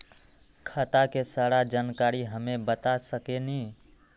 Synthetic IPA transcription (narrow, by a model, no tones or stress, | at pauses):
kʰət̪akesaːɽad͡ʒaːnkaːɾiɦəmebət̪asəkeni